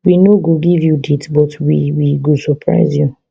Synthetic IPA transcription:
winoɡoɡivjuditbɔtwḭwiɡosɔpʰɹa̰ɪzju

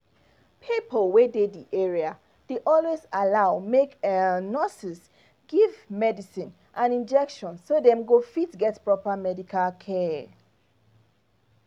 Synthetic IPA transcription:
pʰipəlwedediʔɛɹia | d̥eʔɔlwezalaʊmeknɔsis | ɡ̥ivmɛdisĩn | ʔãnĩnd͡ʒɛkʃɔ̃nsodɛ̃mɡofitɡɛtpɹɔpəmɛdikʰalkʰɛ

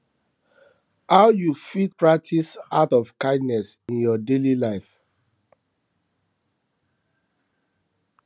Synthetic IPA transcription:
haʊjufit̚pɹak̚tʰisatɔv̥kãɪ̃dnɛsĩnjɔdelilaɪf

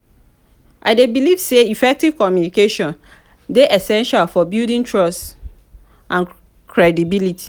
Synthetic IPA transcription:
ʔa̰ɪdebilivseifɛk̚tiv̥kɔmjunikeʃɔ̃n | deʔɛsɛ̃nʃalfɔbildĩŋtʰɹɔst | ʔãn | kʰɹɛdibilitʰi̥

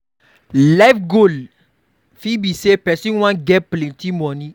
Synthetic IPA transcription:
lafɡol | fibisepɛsĩnw̃ãnɡɛplẽntimɔ̃nĩ

